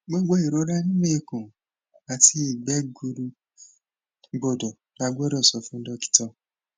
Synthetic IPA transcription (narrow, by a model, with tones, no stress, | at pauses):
ɡ͡bo˦ɡ͡bo˦i˨ɾo˨˦ɾa˦nĩ˦wẽ˦je˧kõ˨ | a˨˧ti˦˨ɡ͡bɛ˦ɡu˧ɾu˧ | ɡ͡bo˨dɔ˨ | la˧˦ɡ͡bɔ˦ɾɔ˦˨sɔ˨˦fũ˦n̩˦dɔ˧˦ki̥˦tɔ˧